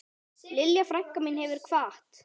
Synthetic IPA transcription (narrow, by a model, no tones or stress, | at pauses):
lɪljafɾaŋ̥kamɪnhɦɛvɪɾ̥kʰvaːaht̪